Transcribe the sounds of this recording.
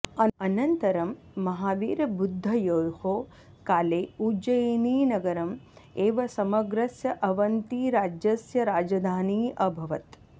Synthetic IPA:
ɐɐnɐnt̪ɐɾɐmː | ɐɦaːʋiːɾɐbud̪ʱːɐjoːjhoː | kaːleːuːd͡ʒɐjeniːnɐɡɐɾɐmeːʋɐsɐmɐɡɾɐsjɐʔɐʋɐnt̪iːɾaːd͡ʒɐsjɐɾaːd͡ʒɐd̪ʱaːniːʔɐbʱɐʋɐt̪

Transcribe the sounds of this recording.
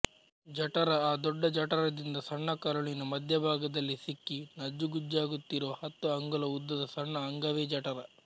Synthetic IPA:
d͡ʒɐʈɐɾɐaːd̪ɔɖːɐd͡ʒɐʈɐɾɐd̪ind̪ɐsɐɳːɐkɐɾɐɭinɐmɐd̪ʱjɐbʱaːɡɐd̪ɐlːisikːinɐd͡ʒːuɡud͡ʒaːɡut̪ːiɾɐʋɐhɐt̪ːuɐŋɡɐlɐud̪ːɐd̪ɐsɐɳːɐːŋɡɐʋeːd͡ʒɐʈɐɾɐ

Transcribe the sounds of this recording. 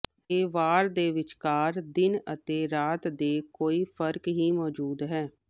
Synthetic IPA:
eːʋaːɾd̪eːʋɪt͡ʃkaːɾd̪ɪnət̪eːɾaːt̪d̪eːkoːiːpʰəɾkɦiːmɔːd͡ʒuːd̪ɦɛː

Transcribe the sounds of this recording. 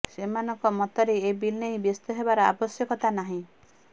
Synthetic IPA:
semanɔŋkɔmɔt̪ɔɾeebilnejbjest̪ɔɦebaɾɔa̰bɔsjɔkɔt̪anaɦĩ

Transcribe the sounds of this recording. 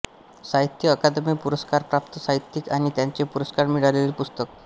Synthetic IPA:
saɦit̪ːjiəkad̪emikpuɾəskaɾpɾap̚t̪ɔsaɦit̪ːikaɽ̃it̪jaɲt͡ɕepuɾəskaɾmiɽaleleɾpust̪ək

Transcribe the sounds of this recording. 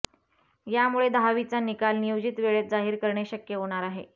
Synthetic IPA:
jamuɭed̪ɦaʋit͡sanikalnijod͡ʑit̪ʋeɭet̪̚d͡zaɦiːɾkəɾɳeɕəkjəɦoɽ̃aɾaɦḛ

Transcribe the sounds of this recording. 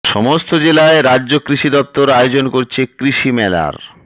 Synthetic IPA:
ʃɔmost̪od͡ʑelaeɾadːʑokɾiʃid̪ɔp̚t̪oɾaod͡ʑonkoɾt͡ɕʰekɾiʃimɛla̰ɾ

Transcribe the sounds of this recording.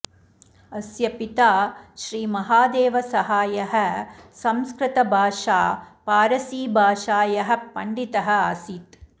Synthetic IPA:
ɐsjɐpit̪aːʃɾiːmɐɦaːd̪eːʋɐsɐɦaːjɐɦɐ̆sɐmskɾɪt̪ɐbʱaːʃaːpaːɾɐsiːbʱaːʃaːjɐɦɐ̆pɐɳɖit̪ɐɦɐ̆aːsiːt̪

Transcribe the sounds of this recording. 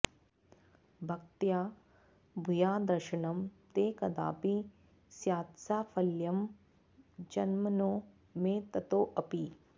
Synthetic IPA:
bʱɐk̚t̪jaː | bʱujaːd̪ɐɾʃɐɳɐmt̪eːkɐd̪a̰ːpi | sjaːt̪saːfʰɐljɐm | d͡ʒɐnmɐnoː | meːt̪ɐt̪oːʔɐpi

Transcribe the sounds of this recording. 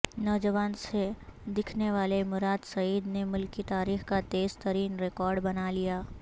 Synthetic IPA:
nɔːd͡ʒəʋaːnsed̪ɪkʰneʋaːlemʊɾaːd̪sɐiːd̪nemʊlkːit̪aːɾiːxkat̪eːzt̪ɐɾiːnɾekɔːɾɖbɐnalijaː

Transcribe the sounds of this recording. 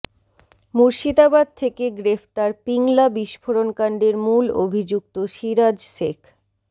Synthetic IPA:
muɾʃit̪abad̪̚t̪ʰekeɡɾeft̪aɾpiŋlabiʃfʰoɾonkaɳɖeɾmulo̰bʱid͡ʑuk̚t̪oʃiɾad͡ʑʃekʰ

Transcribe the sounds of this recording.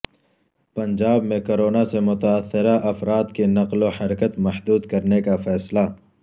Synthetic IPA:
pɐ̃ɲd͡ʒaːbmẽkoːɾoːnasemʊt̪aːsːɪɾaʔɐfɾaːd̪kenɐqlohɐɾkət̪mɐhd̪uːd̪kɐɾnekafɛːsla

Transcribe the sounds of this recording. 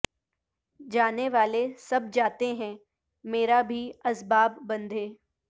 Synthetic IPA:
d͡ʒaːneʋaːlesɐb̚d͡ʒaːt̪eɦɛ̃ | meːɾabʱiɐsbaːbːɐ̃nd̪ʱeː

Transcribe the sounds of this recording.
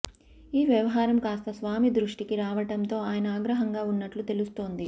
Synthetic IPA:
iːʋjɐʋɐɦaːɾɐmkaːst̪ɐsʋaːmid̪ɾuʂʈikiɾaːʋɐʈɐnt̪o̞ːaːjɐnɐaːɡɾɐɦɐŋɡaːunːɐʈlut̪e̞lust̪o̞ːnd̪i

